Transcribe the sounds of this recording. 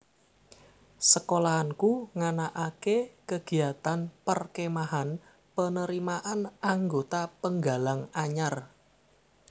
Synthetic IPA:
səkolaːnkuŋanaʔakekəɡ̥i̤at̪anpərkemaɦan | pənəɾimaʔanaŋɡot̪apəŋɡalaŋaɲar

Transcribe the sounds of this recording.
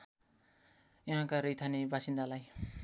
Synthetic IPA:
jʌɦãkaɾʌjt̪ʰanebasind̪alaj

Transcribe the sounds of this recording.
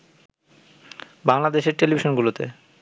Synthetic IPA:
baŋlad̪eʃeɾʈelibʱiʃonɡulot̪ḛ

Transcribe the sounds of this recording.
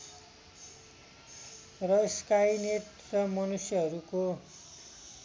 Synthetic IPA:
rʌskajnet̪ | rʌmʌnusjʌɦʌɾuko

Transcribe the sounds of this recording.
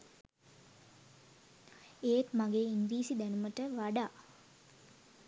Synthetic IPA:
eːt̪maɡeːiŋɡɾiːsid̪ænuməʈəʋaɖaː

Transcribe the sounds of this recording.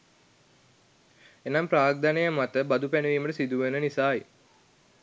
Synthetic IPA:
enampɾaːɡ̚d̪anejəmat̪əbad̪upænəʋiːməʈəsid̪uʋenənisaːj

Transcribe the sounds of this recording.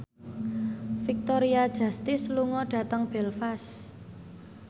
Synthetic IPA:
fik̚t̪ɔɾiad̥ʒ̥ä̤st̪ɪsluŋɔɖ̥ä̤t̪əŋb̥ɛlfas

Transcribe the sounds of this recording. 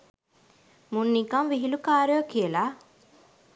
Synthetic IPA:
munːikɐmʋiɦilukaːɾjokijelaː

